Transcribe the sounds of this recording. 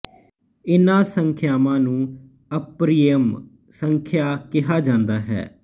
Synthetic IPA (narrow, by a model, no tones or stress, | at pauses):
ɪnãːsəŋkʰjaːmãːnũː | əpɾijəm | səŋkʰjaːkɪɦaːd͡ʒãːnd̪aːɦɛ̰ː